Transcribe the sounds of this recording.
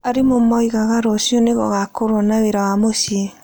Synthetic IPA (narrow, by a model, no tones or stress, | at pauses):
aɾemomɔiɣaɣaɾɔsjɔneɣɔ̰ɣakoɾɔnaweɾawamosie